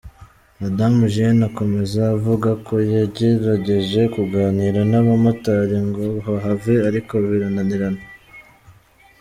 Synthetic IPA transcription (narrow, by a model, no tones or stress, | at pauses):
adamuʒenako̞me̞zaːvuɡako̞jaɟeɾaɟe̞ʒe̞kuɡaːniɾanaβamataɾiŋɡo̞ɦaɦaveaɾiko̞wiɾananiɾana